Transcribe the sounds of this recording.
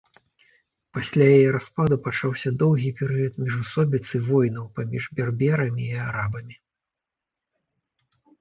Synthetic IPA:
pasʲlʲajajɛɾaspad̪upat͡ʂawsʲɐd̪ɔwɣʲipʲɛɾɨjɐt̪mʲiʐusɔbʲit̪sɨvɔjnɐwpamʲiʐbʲɛrbʲɛɾɐmʲiːaɾabɐmʲi

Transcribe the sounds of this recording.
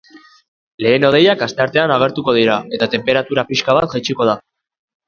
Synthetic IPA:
le̞ːno̞ð̞e̞jakast̪e̞aɾt̪e̞anaɣ̞e̞ɾt̪uko̞ð̞iɾae̞t̪at̪e̞mpe̞ɾat̪uɾapiʃkaβ̞at̪̚ʝat͡ʃiko̞ð̞a

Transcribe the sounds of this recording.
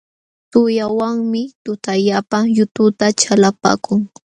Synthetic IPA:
t̪ʊjawaŋmɪt̪ʊt̪aʎapajʊt̪ʊt̪at͡ʃalapa̰ːkʊŋ

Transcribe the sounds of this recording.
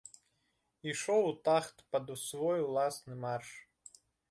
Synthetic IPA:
iʂɔwt̪axt̪pɐd̪usvɔjulˠasnɨmarʂ

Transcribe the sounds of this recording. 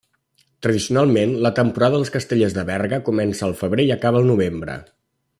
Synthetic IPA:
t̪ɾəð̞isiunalˠmenlət̪əmpuɾaðəðəlˠskəst̪əʎezðəβɛrɣəkumɛnsəːlˠfəβɾeiəkaβəlˠnuβ̞embɾə̰

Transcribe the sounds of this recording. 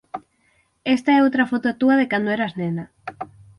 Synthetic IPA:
est̪aɛowt̪ɾafot̪oat̪uaðekand̪oeɾaznena

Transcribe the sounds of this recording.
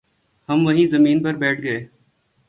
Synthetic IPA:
hɐmʋɐɦĩzɐmiːnpɐɾbɛːʈʰɡɐeː

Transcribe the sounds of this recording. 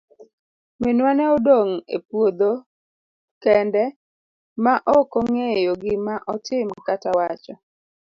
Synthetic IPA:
mɪnwanɛɔdoŋḛpwod̪o | kɛndɛ | maʔɔkoŋejoɡɪmaʔɔtɪmkatawat͡ʃɔ

